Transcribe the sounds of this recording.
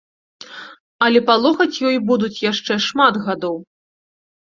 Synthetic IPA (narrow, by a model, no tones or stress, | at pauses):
ɐlʲɛpalˠɔxɐt͡sʲjɔjbud̪ut͡sʲjaʂt͡ʂɛʂmad̪ɣad̪ɔw